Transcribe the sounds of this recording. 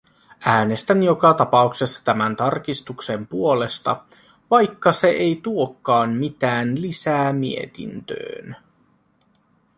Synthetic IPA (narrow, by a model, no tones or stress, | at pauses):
æːne̞st̪ænjo̞kɑt̪ɑpɑukse̞sːɑ̥t̪æmænt̪ɑrk̟ist̪ukse̞mpuo̞le̞st̪ɑ | ʋɑjkːɑse̞ʔejt̪uo̞kːɑːnmit̪æːnlisæːmie̞̰t̪ḭnt̪ø̰ːn